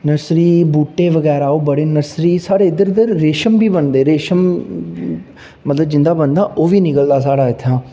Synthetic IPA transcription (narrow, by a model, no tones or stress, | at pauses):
nəɾsɾiːbuːʈːeːʋəɡɛːɾaːoːbəɽeːnəɾsɾiːsaːɾeːɪd̪əɾɪd̪əɾːeːʃəmbiːbənd̪eːɾeːʃəm | mət̪ləbd͡ʒɪ̃nd̪aːbənd̪aːʔoːʋiːnɪkəld̪aːsaːɽaːɪt̪ʰːãː